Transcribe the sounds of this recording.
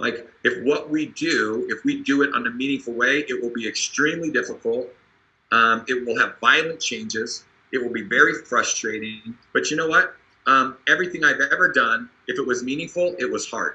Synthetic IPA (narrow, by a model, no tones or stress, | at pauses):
la̰ɪkɨfwʌʔ̚widʉɪfwidɨɪɾn̩ɨmĩñɪ̃ŋfl̩ˠweɪʔɪt̚wəlˠbiɨkstɹ̥ĩmlidɪfəkl̩ˠt̚ | ʔʌ̃mɪt̚wɪlˠɨvːaɪlˠə̃nt͡ʃʰẽɪ̃nd͡ʒɪz̥ | ɨt̚wəl̩ˠbivɛɹifɹʌstɹ̥eɪɾɪ̃ŋb̥ʌt͡ʃɨnoʊwʌt̚ | ʔʌ̃mɛvɹiθɪ̃ŋaɪvɛvə˞dʌ̃n | ɨfɨt̚wʌzmĩnɪ̃ŋfl̩ˠɪt̚wʌz̥hɑ̰ɹd̥